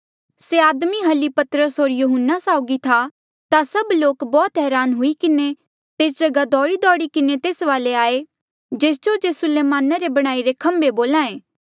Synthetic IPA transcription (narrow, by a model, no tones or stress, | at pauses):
seaːd̪miɦɐlipɐt̪ɾəsɦoːɾjuɦənːasaːʊɡit̪ʰa | t̪asɐbloːkbɔːt̪ɦɛːɾaːnɦʊikɪne | t̪eːsd͡ʒɐɡad̪ɔːɽid̪ɔːɽikɪnet̪eːsʋaːleaːe | d͡ʒeːs̬d͡ʒod͡ʒeːsʊleːmaːnaɾebɐɽ̃aːiɾekʰɐ̃mbeboːlãːẽː